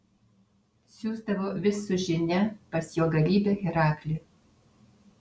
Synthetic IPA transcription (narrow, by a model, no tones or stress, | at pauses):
sʲuːzd̪ɐʋoːʋʲɪsʊʒʲɪnʲɛpɐsjoːɡɐlʲiːbʲeɣʲɪɾɑːkʲlʲɪ